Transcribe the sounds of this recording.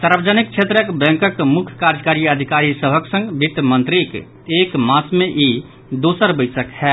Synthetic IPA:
saɾbəd͡ʒənik̚t͡ʃʰet̪ɾəkbɛ̃ŋkəkmukʰjkaɾd͡ʒəkaɾiəd̪ʱikaɾisəbʱəksə̃ŋɡbʱit̪ːmə̃nt̪ɾik | ekmasmẽʔi | d̪osəɾbəɪsəkhɛ

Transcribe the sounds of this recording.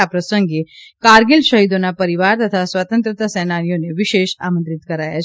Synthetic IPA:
apɾəsəŋɡekaɾɡilʃəɦid̪onapəɾiʋaɾt̪ət̪ʰasʋat̪ə̃nt̪ɾət̪asɛnanijoneʋiʃeʃa̰mənt̪ɾit̪kəɾaja̰t͡ʃʰ

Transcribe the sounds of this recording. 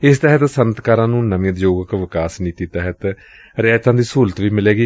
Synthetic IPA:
ɪst̪ɛɦət̪sənt̪kaːɾãːnũːnəm̃ːt̪d͡ʒoːɡəkʋɪkaːsniːt̪iːt̪ɛɦət̪ | ɾɛːt̪ãːd̪iːsuːlət̪ʋiːmɪleːɡiː

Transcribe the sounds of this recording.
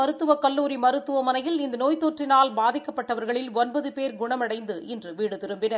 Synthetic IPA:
ɐɾɯt̪ːɯʋɐkɐlːuːɾimɐɾɯt̪ːɯʋɐmɐnɐjɪlɪnd̪ɐnoːjt̪oːʈrɪnaːlbaːðɪkːɐpːɐʈːɐʋɐɾɣɐɭɪlɔnbɐðɯpeːɾɡʊɳɐmɐɽɐɪnd̪ɯʔɪndrɯʋiːɽɯt̪ɪɾɯmbɪnɐ

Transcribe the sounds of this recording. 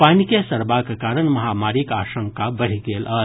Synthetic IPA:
paːnikesɐɾbakekaːɾəɳmɐɦaːmaːɾikaːʃə̃ŋkabɐɽ̤iɡeːlʔɐː

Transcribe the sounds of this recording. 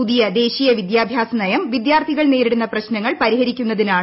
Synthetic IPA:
uðijɐd̪e̞ːɕiːjɐʋid̪jaːbʱjaːsɐnɐjɐmʋid̪jaːrt̪ʰiɣɐɭne̞ːɾiɽunːɐprɐɕnɐŋːɐɭpɐɾiɦɐɾikʲːunːɐðinaː

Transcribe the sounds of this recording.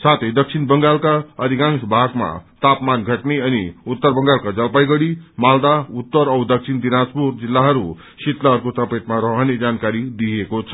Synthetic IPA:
sat̪ʰejd̪ʌk̚sʰinbʌŋɡalkaʌd̪ʱikãŋsbʱaɡma̰t̪apmanɡʱʌʈneʌniut̪ːʌrbʌŋɡalkad͡zʌlpajɡʌɽimald̪aut̪ːʌɾʌwd̪ʌk̚sʰind̪inaspuɾd͡zilːaɦʌɾu | sit̪lʌɦʌɾkosʌpet̪maɾʌɦʌned͡zankaɾid̪ijekot͡sʰʌ̥

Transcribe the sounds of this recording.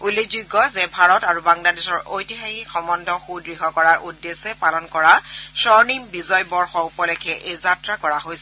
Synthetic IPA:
ulːekʰzuɡːɔzɛbʱaɹɔtaɹubaŋladesɔɹojtixaxixɔmɔndʱɔxudɹiɦɔkɔɹaɹʔudːesɛpalɔnkɔɹasɔɹnimbizɔjbɔɹxɔupɔlɛkʰɛʔezatɹakɔɹaɦojsɛ

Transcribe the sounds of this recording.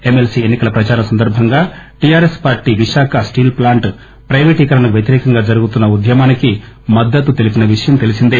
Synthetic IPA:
e̞melsienːikɐlɐpɾɐt͡ʃaːɾɐsɐnd̪ɐɾbʱɐŋɡaːʈijaːɾespaːɾʈːiːʋiʂaːkʰɐsʈiːlplaːɳʈ | pɾɐjʋeːʈiːkɐɾɐnɐʋjɐt̪iɾɛːkɐŋɡaːd͡ʒɐɾuɡut̪unːɐud̪ʱjɐmaːniki | mɐd̪ːɐt̪ːut̪e̞lipinɐʋiʂɐjɐmt̪e̞lisind̪i

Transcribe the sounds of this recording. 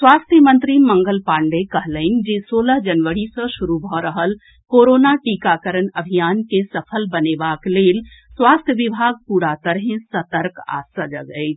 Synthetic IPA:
swast̪ʰjəmənt̪ɾimə̃ŋɡəlpaɳɖekəɦləɪn̆d͡ʒesoːləɦd͡ʒənʋəɽisə̃ʃuɾubʱɔɾəɦəl | koɾonaʈikakəɾənəbʱijankesəpʰəlbənebakleːlswast̪ʰjəʋibʱaɡ̚puːɽat̪əɾɦẽsət̪əɾka̰səd͡ʒəɡəɪt͡ʃʰ

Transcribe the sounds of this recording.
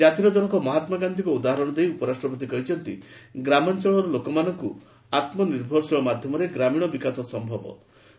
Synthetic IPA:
d͡ʒat̪iɾɔd͡ʒɔɽ̃ɔkɔmɔɦat̪maɡand̪ʱikɔud̪aɦaɾɔɽ̃ɔd̪ejupɔɾasʈɾɔp̬ɔt̪̬ikɔɦit͡ʃʰɔnt̪ḭɡɾamɔnt͡ʃɔɭɔɾɔlokɔmanɔŋku | at̪mɔniɾbʱɔɾsiɔmad̪ʱjɔmɔɾeɡɾamiɽ̃ɔbikasɔsɔmbʱɔbɔ̰

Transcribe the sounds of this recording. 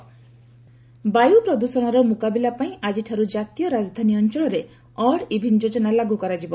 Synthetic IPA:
bajupɾɔd̪usɔɽ̃ɔɾɔmukabilapaĩʔad͡ʒiʈʰaɾud͡ʒat̪ijɔɾad͡ʒɔd̪ʱaniɔnt͡ʃɔɭɔɾe | ɔɽibʱind͡ʒod͡ʒɔnalaɡukɔɾad͡ʒibɔ

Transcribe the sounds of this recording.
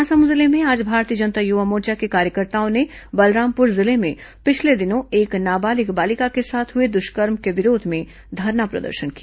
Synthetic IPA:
asəmuzɪlemẽaːd͡ʒbʱaːɾt̪iəd͡ʒɐnt̪ajʊʋamoːt͡ʃakekaːɾjəkəɾt̪aːõnebɐlɾaːmpʊɾzɪlemẽpɪt͡ʃʰled̪ɪnõeːknaːbaːlɪkbaːlɪkakesaːt̪ʰɦʊed̪ʊʃkəɾmkeʋɪɾoːd̪ʱmẽ | d̪ʱɐɾnapɾɐ̰d̪ə̰ɾʃənki

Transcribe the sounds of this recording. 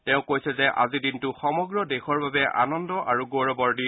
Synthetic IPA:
tɛʊ̃kojsɛzɛʔa̰zidintʊxɔmɔɡɹɔdexɔɹbabɛʔa̰nɔndɔʔaɹuɡoɹɔbɔɹdi

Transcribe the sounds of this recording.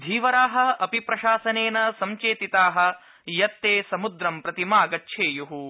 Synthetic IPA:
d̪ʱiːʋɐɾaːɦɐ̆ɐpipɾɐʃaːsɐneːnɐsɐmt͡ʃeːt̪it̪aːɦɐ̆ | jɐt̪ːeːsɐmud̪ɾɐmpɾɐt̪imaːɡɐtːʃʰeːjuɦu

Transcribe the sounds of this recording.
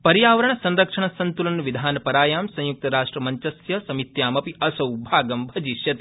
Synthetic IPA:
pɐɾjaːʋɐɾɐɳ̃ɐsɐ̃nɾɐkʂɐɳɐsɐnt̪ulɐnʋid̪ʱaːnɐpɐɾaːjaːmsɐ̃juk̚t̪ɐɾaːʂʈɾɐmɐɲt͡ʃɐsjɐsɐmit̪jaːmɐpiʔɐsɐwbʱaːɡɐmbʱɐd͡ʒiʃjɐt̪i̥

